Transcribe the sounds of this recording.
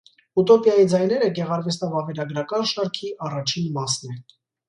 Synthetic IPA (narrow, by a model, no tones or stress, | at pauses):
ut̪ɔpjɑjid͡zɑjnɛɾəɡɛʁɑɾvɛsʰnɑvɑvɛɾɑɡɾɑkɑnʃɑɾkʰiʔɑrɑt͡ʃʰinmɑsnɛ